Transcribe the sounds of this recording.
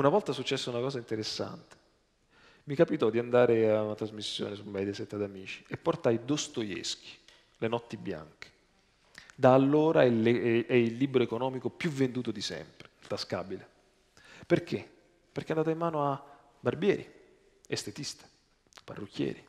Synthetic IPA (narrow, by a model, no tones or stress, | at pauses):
unavɔlt̪asut͡ʃːɛsːounakɔːzaint̪eɾesːa̰nt̪e̥ | mikapit̪ɔd̪ːiand̪aːɾeaunat̪ɾazmisːjo̰ːnesumːɛjd̪jasɛt̪ːad̪amiːt͡ʃi̥epːort̪ajd̪ost̪ojḛsk̟ʰi̥ | lenɔt̪ːibja̰ŋke̥ | d̪aːlːoːɾaleɛilːiːbɾoekonɔːmikopjuvːend̪uːt̪od̪isɛ̰mpɾe̥lt̪aska̰ːbile | perkʰe | pːeɾrk̟eand̪aːt̪aimːaːnoa | barbjɛːɾi | est̪et̪ist̪e̥ | pa̰rːukʰːjɛ̰ːɾi